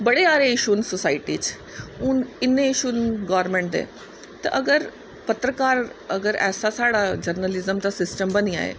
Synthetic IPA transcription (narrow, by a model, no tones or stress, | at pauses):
bəɽeːaːɾeɪʃunsosaːɪʈiːt͡ʃ | ʊnɪnːẽɪʃuːnɡaːɾmẽːɳʈd̪ḛː | t̪a̰ʔəɡəɾ | pət̪ɾəkaːɾəɡəɾɛ̰ːsaːsaːɽaːd͡ʒəɾnəlɪzəmd̪aːsɪsʈəmbənija̰ːḛː